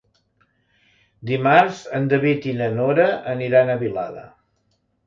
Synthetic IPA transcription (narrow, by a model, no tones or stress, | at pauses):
d̪imaɾzənd̪əβit̪inənoɾəəniɾanəβila̰ðə̰